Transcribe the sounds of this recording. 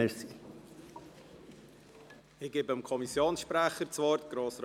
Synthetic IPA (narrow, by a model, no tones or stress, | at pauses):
ɛsi | ɪɡ̥eːbəəmkʰɔmisjoːnsʃpɾæχəɾt͡svɔrtɡ̥ɾoːsr